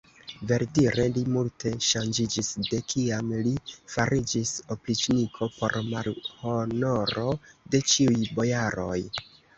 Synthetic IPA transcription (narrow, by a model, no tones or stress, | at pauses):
ve̞ɾdiɾʔe̞limultʰe̞ʃand͡ʒid͡ʒisde̞kʰiamlifaɾid͡ʒiso̞plit͡ʃnikʰo̞po̞̰ɾmalho̞no̞ɾo̞de̞t͡ʃiujbo̞jaɾo̞̰j